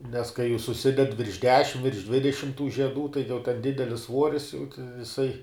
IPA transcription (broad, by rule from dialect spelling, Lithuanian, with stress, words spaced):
nʲɛs kɐɪ juː sʊˈsʲɪdʲɛt ʋʲɪrʃ ˈdʲæːʃʲɪm ʋʲɪrʃ ˈdʲʋʲɪdʲɛʃʲɪm tuː ʒʲiɛˈduː tɐɪ jɛʊ tʲɛn ˈdʲɪdʲɛlʲɪs ˈsʋuɔrʲɪs jɛʊ jɪˈsɐɪ